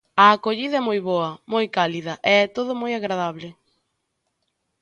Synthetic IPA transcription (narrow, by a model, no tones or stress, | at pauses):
ɐːkoʎiðɐɛmojβoɐmojkaliðɐʔɪɛt̪oðʊmojaɣɾaðaβlɪ